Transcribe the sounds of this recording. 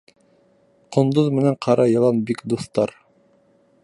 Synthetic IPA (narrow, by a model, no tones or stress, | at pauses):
qŏnd̪oðmɘ̆næɴqʰɑɾɑjɤ̆lˠɑnbikd̪uθt̪ɑɾ